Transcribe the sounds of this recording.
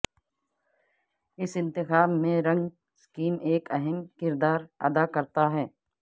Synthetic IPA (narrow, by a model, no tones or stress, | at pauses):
ɪsɪ̃nt̪ɪxaːbmẽɾɐ̃ŋɡ | skiːmeːkɛɦɛmkɪɾd̪aːɾɐ̰d̪akɐɾt̪aɦɛː